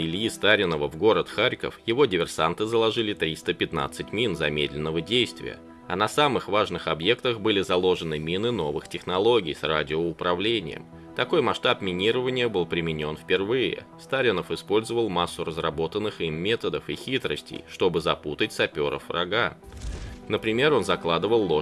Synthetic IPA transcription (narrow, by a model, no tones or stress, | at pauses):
ɪlʲjist̪aɾʲɪnəvəvɡo̞ɾət̪xaɾʲkə̰fjɪvo̞dʲɪvʲɪrsant̪ɨzəlˠɐʐɨlʲɪt̪ɾʲist̪əpʲɪt̪na̰t̪sɨtʲmʲinzɐmʲed̪ʲlʲɪnːəvədʲejst̪vʲɪ̰jə̰ | ɐnɐsamɨxvaʐnɨxɐbje̞kt̪əxbɨlʲɪzɐlˠo̞ʐɨnɨmʲinɨno̞vɨxtʲɪxnɐlˠo̞ɡʲɪjsradʲɪoʊpɾɐvlʲenʲɪ̰jə̰m | t̪ɐko̞jmɐʂt̪apmʲɪnʲiɾəvənʲɪjəbɨlˠpɾʲɪmʲɪnʲo̞nfpʲɪrvɨjɪ̰ | st̪aɾʲɪnəfɨspo̞lʲzəvəlˠmasːʊrəzrɐbo̞t̪ənːɨximːʲe̞t̪əd̪əfixʲit̪ɾəsʲtʲɪ̰jʂt̪o̞bɨzɐput̪ətʲsɐpʲoɾə̰frɐ̰ɡa | nəpɾʲɪmʲe̞ɾo̞nzɐklˠad̪ɨvəlˠːo